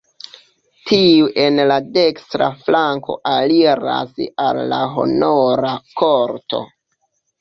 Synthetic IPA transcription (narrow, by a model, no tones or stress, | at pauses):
tʰiuʔe̞nladekstɾa̰flaŋko̞̰ʔaliɾa̰salːaɦo̞̰noɾakʰoɾto̞̰